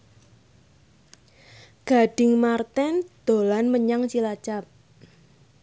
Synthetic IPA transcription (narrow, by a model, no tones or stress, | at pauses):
ɡ̥a̤ɖ̥ɪ̤ŋmart̪ɛnd̪̥o̤lanməɲaŋt͡ʃilat͡ʃap̚